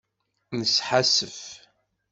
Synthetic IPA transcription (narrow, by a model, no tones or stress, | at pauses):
nəsħasːəf